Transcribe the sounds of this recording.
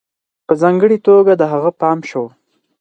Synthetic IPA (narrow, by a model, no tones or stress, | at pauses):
pəzɑŋɡəɽit̪oɡad̪əɦaɣəpɑmʃow